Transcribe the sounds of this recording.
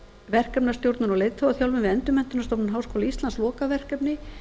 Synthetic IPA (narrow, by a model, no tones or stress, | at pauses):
vɛr̥kœpnḁst̪jowɾt̪nʏnɔɣlejt̪ɔwaθjawlvɪmvɪɛnt̪ʏmɛnt̪ʏnast̪ɔwpnɪnɦawskɔːwlaist̪lanslɔːkavɛr̥kɛpnɪ